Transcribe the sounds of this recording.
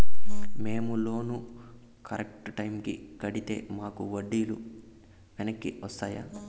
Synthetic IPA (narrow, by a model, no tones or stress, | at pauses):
me̞ːmulo̞ːnu | kɐɾek̚ʈʈɐjmkikɐɽit̪e̞̰ːmaːkuʋɐɖːiːlu | ʋɛnɐkːiʋɐst̪aːjaː